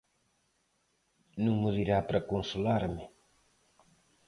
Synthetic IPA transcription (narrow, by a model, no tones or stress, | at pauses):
nũŋmʊðiɾapɾɐkonsulaɾmɪ